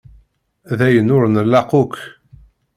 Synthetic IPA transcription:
ðæjənʊɾnəlːɑqʊk

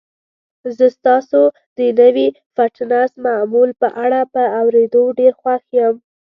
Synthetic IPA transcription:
zəst̪ɑso | d̪ənəwi | faʈnasmamulpəʔaɽapəawɾed̪oɖeɾxwaxjəm

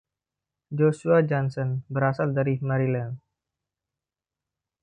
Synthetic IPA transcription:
d͡ʒosuad͡ʒɔnsɔnbəɾasaldaɾimaɾilɛn

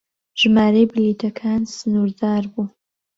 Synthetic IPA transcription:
ʒ̥maːɾejbɨlitʰɐkʰaːnsɨnurdaːrbu

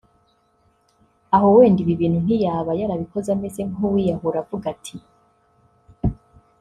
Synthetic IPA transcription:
aɦo̞we̞ːndiβiβiːn̥hun̥ijaːβajaɾaβiko̞zameze̞ŋuwijaɦuɾavuɡatʰi

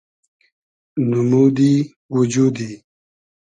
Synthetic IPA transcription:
numuːd̪i | wud͡ʑud̪i

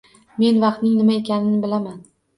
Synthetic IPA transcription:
me̞nvɑqt̪nɪŋnɪmaekʲʰanɪnɪbɪlaman

